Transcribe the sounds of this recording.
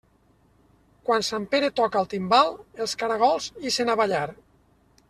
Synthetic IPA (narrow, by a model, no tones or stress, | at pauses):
kwansampeɾet̪ɔkalˠt̪imbalˠelˠskaɾaɣ̞ɔlˠzisenaβaʎaɾ